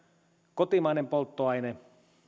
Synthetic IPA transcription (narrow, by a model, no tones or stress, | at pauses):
kot̪imɑinempolt̪ːoɑjne